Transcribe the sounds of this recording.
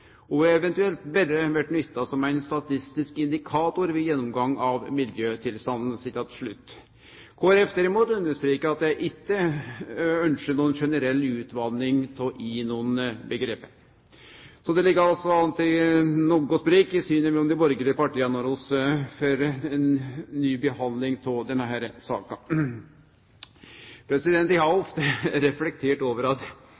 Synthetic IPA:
ɔʋɪɛʋɛnt̪ʉɛlt̪bɛɾəʋæʈnʏt̪ːɑsɔmæɪnst̪ɑt̪ʰɪst̪ɪskɪnd̪ɪkʰɑːt̪ʊɾʋɪjɛnːɔmɡɑŋːɑʋmɪljøːt̪ʰɪlst̪ɑnd̪n̩sɪt̪ːɑt̪ʂɭʉt̪ː | kʰoːæɾɛfd̪æɾɪmuːt̪ʉnd̪əʂt̪ɾiːkəɑt̪jæɪʔɪkːə | œnʂəɳuːənʂɛnəɾɛlːʉːt̪ʰʋɑnːɪŋt̪ʰʔiːnuːənbəɡɾeːpːəɾ | sɔd̪ɛlɪɡːəɾɑlsɔɑnt̪ɪnuːɡʊsbɾiːkɪsyːnəmɛlɔmd̪ɛbɔɾɡəlɪəpɑʈiːɑnɔɾɔsføɾɛnːyːbəhɑnd̪lɪŋt̪ʰɪd̪ɛnːəɦæːɾsɑ̰ːkɑ | pʰɾɛsɪd̪ɛnt̪ɪhɑɔft̪əɾɛflɛk̚t̪ʰeːʈoːʋəɾɑt̪

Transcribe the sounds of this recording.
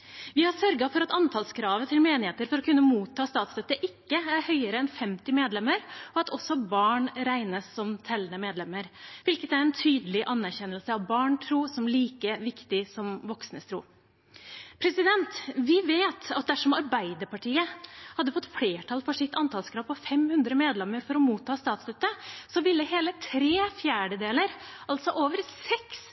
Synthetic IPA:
ʋɪhɑɾsœɾɡɑfɔɾɑt̪ɑnt̪ʰɑlskʰɾɑːʋət̪ʰɪlmeːnɪheːt̪əɾfɔɾɔkʰʉnːəmuːt̪ʰːɑːst̪ɑːt̪st̪œt̪ːəʔɪkːəæɾhœʏəɾəɛnfɛmt̪ɪmeːd̪lɛmːəɾɔɑt̪ʰɔsɔbɑːɳɾæɪnəsːɔmt̪ʰɛlːənəmeːd̪lɛmːəɾʋɪlkət̪æɾɛnt̪ʰyːd̪əlɪʔɑnːæɾçɛnːəlsəɑʋbɑːɳʈʰɾuːsɔmliːkəʋɪkt̪ɪsɔmʋɔksnəst̪ʰɾṵː | pʰɾɛsɪd̪ɛnt̪ʋɪʋeːt̪ɑt̪̚d̪æʂɔmɑɾbæɪd̪əɾpɑʈʰiːəhɑd̪ːəfɔt̪ːfleːʈʰɑlfɔʂɪk̚t̪ɑnt̪ʰɑlskʰɾɑːpɔfɛmhʉnd̪ɾəmeːd̪lɛmːəɾfɔɾɔmuːt̪ʰːɑːst̪ɑːt̪sd̪œt̪ːəsɔʋɪlːəheːlət̪ʰɾeːfjæːɖəd̪eːləɾʔɑlt̪sɔʔoːʋəɾsɛks

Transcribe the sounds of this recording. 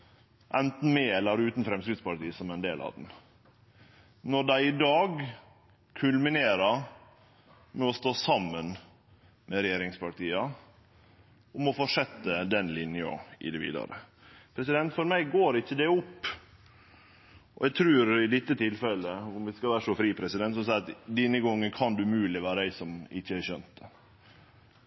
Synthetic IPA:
ʔɛnt̪n̩mɛɛlːəɾʉːt̪n̩fɾɛmskɾɪt̪spɑɾʈiːsɔmɛɪnd̪ḛːlʔɑ̰ːd̪ɛn | nɔɖæɪɪd̪ɑːɡ | kʰʉlmɪneːɾɑ | mɛɔst̪oːsɑmːən | mɛɾɛjeːɾɪŋspɑʈiːɑ | ʊmɔfoːʂɛt̪ːəd̪ɛnlɪnjəɔ̰ʔɪ̰d̪ɛʋḭːd̪ɑ̰ɾə̰ | pʰɾɛsɪd̪ɛnt̪fɔɾmæɪɡoːɾɪçːəd̪ɛʊpː | ʔɔ̰ɛɡ̚t̪ʰɾʉːɾɪd̪ɪt̪ːət̪ʰɪlfɛləʊmʋɪskɑlʋæːɾʂɔfɾiːpʰɾɛsɪd̪ɛnt̪sɔmsɑɪɾɑt̪d̪iːnəɡɔŋːənkʰɑnd̪ʉmʉːlɪʋæːɾəæɪsɔmɪ̰çːəæɾçœnt̪

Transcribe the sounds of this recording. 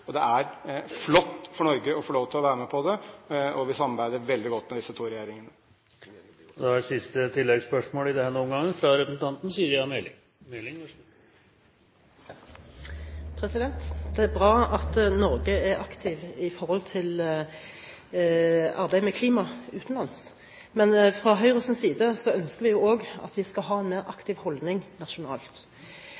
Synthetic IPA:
ɔd̪ɛæɾflɔt̪ːfɔɳɔɾɡəɔfɔɭoːʋt̪ʰɪlɔʋæːɾəmɛpʰɔd̪ɛɔʋɪsɑmːɑɾbæɪd̪əɾʋɛld̪ɪɡɔt̪ːmɛd̪ɪsət̪ʰuːɾɛjeːɾɪŋənə | d̪ɛæɾsɪst̪ət̪ʰɪlːɛɡspœʂmoːlɪd̪ɛhnuːnɡɑŋːnfɾɑɾɛpɾəsn̩t̪ʰɑnt̪n̩siːəɾjɑnɛlɪ̰ | nelɪ | pʰʁɛsɪd̪ɛnt̪d̪ɛæbʁɑːɑt̪nɔɾɡəæɾɑkt̪ʰɪʋɪfɔʁhɔlt̪ʰɪl | ɑɾbæɪmɛkʰliːmɑʉːt̪n̩lɑns | mɛnfʁɑɦœʏʁəsənsiːd̪əsɔœnskəʁʋɪjʊːoːɡɑ̰t̪ʋɪskɑlɦɑːɛnmeːʁʔɑkt̪ɪʋhɔld̪nɪŋnɑʃʊnɑ̰ːlt̪

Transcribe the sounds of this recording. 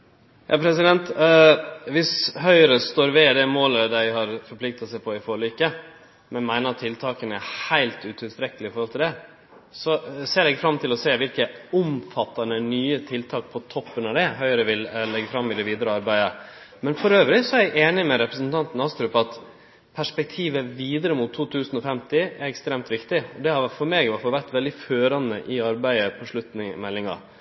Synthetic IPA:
jʔɑːpʰɾɛsɪd̪ɛnt̪ | ʋɪsɦœʏɾəst̪oːɾʋɛd̪ɛmoːləd̪æɪɦɑɾfɔɾpʰlɪk̚t̪ɑsæɪpʰɔɪfɔɭʏkə | mɛnmæɪnəɾɑt̪ʰːɪlt̪ʰɑːkənəæhæɪlt̪ʉt̪ʰɪlst̪ɾɛkəlɪfɔɾhɔlt̪ɪld̪ɛ | sɔseːɾɛɡfɾɑmt̪ʰɪlɔseːʋɪlkəʊmfɑt̪ːɑnənyːət̪ʰɪlt̪ʰɑːk̚pʰɔt̪ʰɔpːənɑd̪ɛɦœʏəɾəʋɪllɛɡəfɾɑmːɪd̪ɛʋiːd̪əɾəɑɾbæɪə | mɛnfɔɾøːʋɾɪsɔɛɾæɪʔeːnɪmɛɾɛpɾəsənt̪ʰɑnt̪n̩ɑst̪ɾʉpɑt̪ | pʰæʂpɛk̚t̪ʰiːʋəʋiːd̪əɾəmʊt̪ʰːuːt̪ʰʉːsənɔfɛmt̪ɪæɾɛkst̪ɾeːmt̪ʋɪkt̪ɪɔd̪ɛhɑɾfɔɾmeːɡʋɑfɔʋæɾt̪ʋɛld̪ɪføːɾɑnə̰ʔɪɑɾbæɪəpʰɔʂɭʉt̪nɪŋmɛlːɪŋɑ̰

